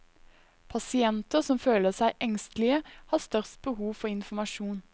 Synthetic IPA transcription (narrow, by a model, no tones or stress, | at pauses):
pʰɑsɪɛnt̪əʁsɔmføːləsæɪʔɛŋst̪lɪəhɑːst̪œʁst̪̚b̥əhuːʋfɔɪnfɔmɑʃuːn